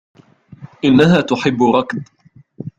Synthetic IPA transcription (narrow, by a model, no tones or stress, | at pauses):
ʔɪnːaɦaːt̪ʊħɪbːʊɾˤɑkd̪̚